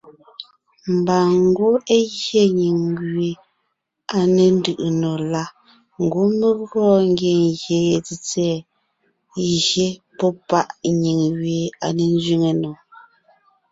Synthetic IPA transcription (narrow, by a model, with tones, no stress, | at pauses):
m̩˨baː˨ŋ˦ɡo˦e˦ɣje˦˨ɲi˨ŋɥɥe˨ | a˨ne˨n̩˦dɯ˨ʔɯ˨no˨la˦ | ŋ̩˨ɡwo˦me˦ɣɔ˦ŋ˦ɡje˨ŋɣje˨˦je˨ti˨t͡sɛː˦˨ | ɣje˦pɔ˦pa˦ʔɲi˨ŋɣɥe˨a̰˨ne˨n˦zɥi˦ŋe˨no˨